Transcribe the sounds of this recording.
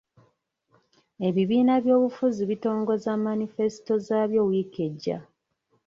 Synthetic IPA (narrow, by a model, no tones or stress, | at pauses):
e̞βiβiːnaβjo̞ːβufuziβito̞ːŋɡo̞zamːanife̞si̥to̞zaːβjo̞wiːke̞ɟːa̰